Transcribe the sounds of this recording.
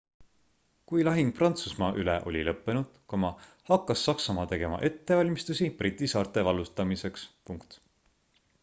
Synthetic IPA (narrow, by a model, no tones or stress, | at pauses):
kujlɑɦiŋɡ̥̚prɑnt̪susmɑʔylḛʔo̞̰lʲḭlɤpːe̞nud̪̥komɑ | hɑkːɑsːɑksɑmɑt̪e̞ɡ̥e̞mɑ̰ʔe̞t̪ːe̞vɑlʲmist̪usiprʔit̪ʲːˑisɑːrt̪ˑe̞vɑlust̪ɑmise̞kspuŋkt̪